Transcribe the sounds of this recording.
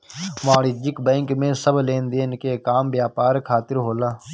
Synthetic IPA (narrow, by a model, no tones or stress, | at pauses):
maːɽid͡ʒɪkbɛ̃ːŋkmẽːsəbʱleːnd̪eːnkekaːmbjaːpaːɾkʰaːt̪ɪɾɦoːlaː